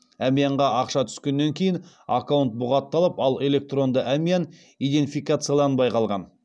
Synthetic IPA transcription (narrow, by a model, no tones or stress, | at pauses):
æmijaɴʁɑʔɑqʃɑt̪ʰʏ̥skʲe̞nːe̞ŋkʲʰe̞jɪn | a̰kawnt̪̚bʊʁɑt̪ːɑlˠəpɑlˠe̞le̞k̚t̪ro̞nd̪əʔæmijan | ijd̪e̞nt̪ʲifijkat̪sɨjalˠɑnbɑjqɑlˠʁɑ̰n